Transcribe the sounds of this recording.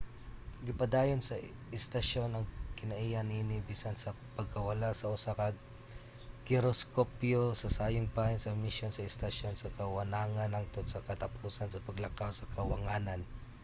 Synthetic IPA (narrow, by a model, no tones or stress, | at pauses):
ɡɪpɐd̪aːjonsɐɪst̪ɐʃo̞nɐŋkɪnɐʔijaninɪbiːsɐnsɐ | pɐɡ̚kɐwɐlasɐʔʊsakɐ | kɪɾoskopjosɐsaːjʊŋpajɪnsɐmɪʃjonsɐɪst̪ɐʃo̞nsɐkɐwɐnaːŋɐnɐŋt̪ot̪sɐkɐt̪ɐpuːsɐnsɐpɐɡlɐkawsɐkɐwɐŋaːnɐn